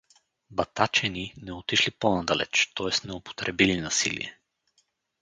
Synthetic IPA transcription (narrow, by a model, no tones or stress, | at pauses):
bɐt̪at͡ʃɛninɛot̪iʃliponad̪alɛ̰t͡ʃt̪ɔɛst̪nɛopo̥t̪ɾɛbilinɐsḭlḭɛ